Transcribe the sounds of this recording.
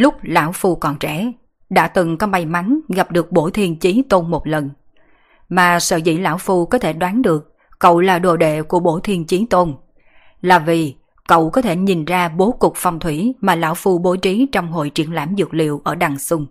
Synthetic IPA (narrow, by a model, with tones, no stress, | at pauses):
lʊ˦˥k͡p̚la̰ː˧˥wfu˧kɔ˧˩nt͡ɕɛ̰˧˩ | ɗa̰ː˧˥t̪ɨ˨˩ŋkɔ˨˦ma˧jma˨˦nɣa˨˩p̚ɗɨ˨˩ək̚ɓo˧˩t̪ʰi˧ənt͡ɕi˨˦t̪o˧nmo˨˩t̚lə˨˩n | maː˨˩sə̰ː˧˨zḭ˧˥la̰ː˧˥˨wfu˧kɔ˨˦t̪ʰe˧˩ɗwaː˨˦nɗɨ˨˩ək̚ː | ə̰˧˨wlaː˨˩ɗo̰˧˩ɗḛ˧˨ku˧˩əɓo˧˩t̪ʰi˧ənt͡ɕi˨˦t̪o˧n | laː˨˩vi˨˩ | kə̰˧˨wkɔ˨˦t̪ʰe˧˩ɲi˨˩nzaː˧ɓo˨˦kʊ˨˩k͡p̚fɔ˧wŋ͡mt̪ʰwi˧˩maː˨˩la̰ː˧˥wfu˧ɓo˨˦t͡ɕi˨˦t͡ɕɔ˧wŋ͡mɦo̰˧˨jt͡ɕḭ˧˩ənlaː˧˥mzɨ˨˩k̚lḭ˧˨wʔəː˧˩ɗa˨˩ŋsʊ˧ŋ͡m